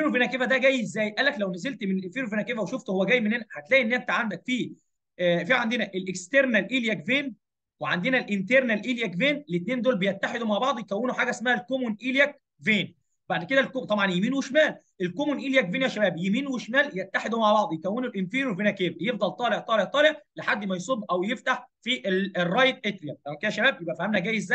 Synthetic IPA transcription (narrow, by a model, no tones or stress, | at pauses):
ɾuvenækeːvæd̪æɡæːjːezːæːjʔæːlːæklæwnæzelt̪menelʔenfiɾuvenækeːvæweʃoft̪owːæɡæːjːmenhenæħat̪læːʔiʔenːʔænt̪æʕamːælfiː | fiːʕand̪enæʔelʔekst̪eɾnælʔiːljækveːn | weʕand̪enælʔent̪eɾˤnælʔiljækveːnlet̪̚neːnd̪oːlbejæt̪ːaħed̪umaʕbɑʕd̪ˤjekæwːenoħaːɡæʔesmæhælkomonʔiːljæk̚ | veːn | baʕd̪ked̪ælkot̪ˤɑbʕɑnjemiːnweʃmæːlʔelkomonʔiːljækveːnjæʃæbæːbjemiːnweʃmæːljæt̪ːaħed̪umaʕbɑʕd̪ˤjekæwːeːnolʔenfiːɾwevenækeːbjefd̪ˤɑlt̪ˤɑːleʕt̪ˤɑːleʕt̪ˤɑːleʕleħad̪ːmæjsˤob̪ːʔæwjeft̪aħfiʔerˤːɑːjet̪̚ʔet̪ɾijææmæked̪æʃæbæːbjebʔæfæhæmnæɡæːjːezːæj